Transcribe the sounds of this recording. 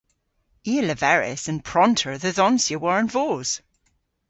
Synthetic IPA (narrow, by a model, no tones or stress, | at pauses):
iələvɛɹɪ̰sə̃npʰɹ̥ɔ̃ntʰə˞ðəðɔnsjəwɔɹə̃nvoːz̥